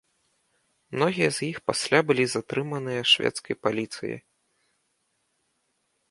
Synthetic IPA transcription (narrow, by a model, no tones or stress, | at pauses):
mnɔɣʲijɐzʲjixpasʲlʲabɨlʲizat̪ɾɨmɐnɨjɐʂvʲɛ̰t̪skɐjpalʲit̪sɨ̰jḭ